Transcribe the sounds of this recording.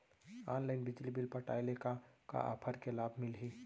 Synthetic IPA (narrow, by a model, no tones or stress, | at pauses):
anlaɪnbid͡ʒlibilpəʈajlekaka̰ʔa̰pʰəɾkelabʱmilɦi